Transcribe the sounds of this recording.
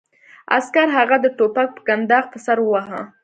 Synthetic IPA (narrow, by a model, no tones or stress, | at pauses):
a̰skaɾɦaɣad̪əʈopak̚pə̥ɡand̪ɑɣp̪əsaɾwaɦa̰